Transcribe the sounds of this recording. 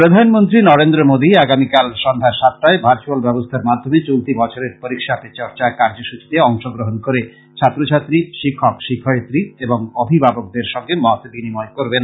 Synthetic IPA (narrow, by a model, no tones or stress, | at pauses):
pɾod̪ʱanmont̪ɾinɔɾend̪ɾomod̪iaɡamikalʃɔnd̪ʱaɾʃat̪̚ːaebʱaɾt͡ɕualbɛbost̪ʰaɾmad̪ʱːomet͡ɕolt̪ibɔt͡ɕʰoɾeɾpoɾikʃat̪et͡ɕɔɾt͡ɕakaɾd͡ʑoʃut͡ɕi̥t̪eɔŋʃoɡɾoɦonkoɾe | t͡ɕʰat̪ːɾot͡ɕʰat̪ːɾiʃikʰːɔkʃikʰːɔet̪ːɾieboŋobʱibʱabok̚d̪eɾʃɔŋɡemɔt̪binimɔekoɾben